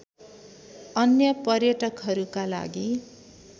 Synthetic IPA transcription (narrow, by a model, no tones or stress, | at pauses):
ʌnjʌpʌrjʌʈʌkɦʌɾukala̰ɡi